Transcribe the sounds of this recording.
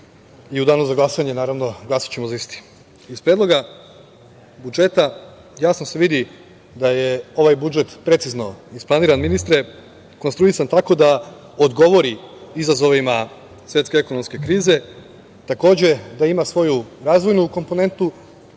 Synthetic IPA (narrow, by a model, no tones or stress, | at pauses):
iud̪aːnuzaɡlˠasaɲe̞naːɾaʋno̞ɡlasḁt͡ɕe̞mozaist̪i̥ | ispɾed̪lo̞ɡa | bud͡ʒe̞t̪a | jaːsno̞se̞ʋid̪i | d̪aje̞o̞ʋajbud͡ʒe̞t̪pɾe̞t̪sizno̞isplˠaniːɾanminist̪ɾe̞ | konst̪ɾuisant̪ako̞d̪a | o̞d̪ɡo̞ʋo̞ɾiizazo̞ʋima | sʋjet̪ke̞eko̞no̞mske̞kɾiːze̞ | t̪ako̞ːd͡ʑe̞d̪aimasʋo̞juɾaːzʋo̞jnuko̞mpo̞ne̞nt̪u